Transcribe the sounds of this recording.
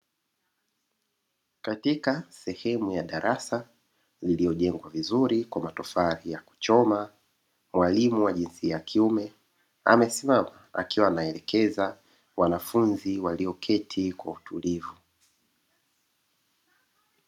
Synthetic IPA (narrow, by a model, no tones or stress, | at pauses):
katikasɛhɛmujaɗaɾʔasa | lilijɔʄɛŋɡwavizuɾikwamatɔfaɾijaku̥t͡ʃɔma | mwalimuwaʄinsiajakʰiumɛ | a̰mɛsimamaa̰kiwaːnaɛlɛkʰɛza | wanafunziwaliɔkʰɛtʰikwautulivu